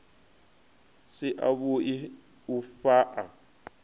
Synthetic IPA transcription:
siʔa̰βui | ufaʔa̰

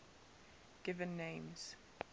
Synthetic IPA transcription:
ɡ̥ɪvə̃nːẽɪ̃mz̥

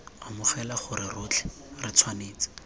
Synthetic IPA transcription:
amʊχɛlaχʊɾɪrʊt͡ɬʰɛ̥ | rɪt͡sʰwaneːt͡sḁ

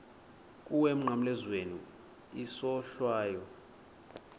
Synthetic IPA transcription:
kʼuwem̩ŋ͡ǃʱam̩lɛzwenu | isɔɬwaːjɔ

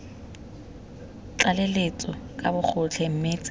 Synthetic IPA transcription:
t͡ɬalelet͡sʼɔkʼabʊk͡xʰʊt͡ɬʰɛm̩meːt͡sʼɪ

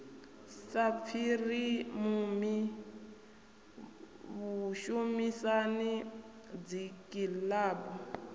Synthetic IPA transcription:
sap̪fʰirimumi | βuʃumisani | d͡zikʼilaːbɔ

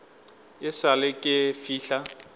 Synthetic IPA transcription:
ɪsalɪkʼɪfiːɬa

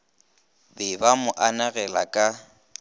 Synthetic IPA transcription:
bɪbamʊʔanaɣɛla̰kʼa

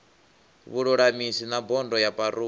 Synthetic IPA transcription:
βuɺuɺamisinabɔndɔjapʼaɾu

